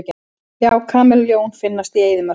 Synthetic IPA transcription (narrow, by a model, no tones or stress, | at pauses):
c | jaːwkʰaːmɛlljoːwnfɪnːast̪ieːjðɪmœ̥